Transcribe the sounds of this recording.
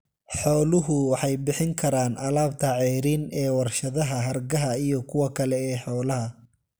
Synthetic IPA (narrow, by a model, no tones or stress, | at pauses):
ħɔːlʊɦʊwɑħɑjbɪħɪŋkʰɐɾaːnʔɐlaːbt̪ʰɐʕɛːɾinɛːwɑrʃɐðɐɦɐɦɐrɡɐɦɐijɔkʰʊwɐkʰɐlɛɛːħɔːlɐɦɐ